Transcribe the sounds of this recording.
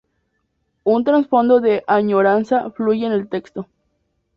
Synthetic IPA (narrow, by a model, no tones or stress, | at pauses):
unt̪ɾansfo̞nd̪oðeʔaɲoɾansafluʝeːnelt̪ekst̪o